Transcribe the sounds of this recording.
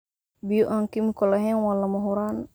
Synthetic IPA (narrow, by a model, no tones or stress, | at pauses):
bijuʔaŋkimkɔleɦɛŋwalːamɔɦuɾan